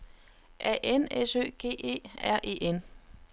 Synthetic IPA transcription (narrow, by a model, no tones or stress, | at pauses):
ʔɛ̰ʔenesø̰ːɡ̥e̝̰ːe̝̰ːæɐ̰ʔe̝̰ːʔen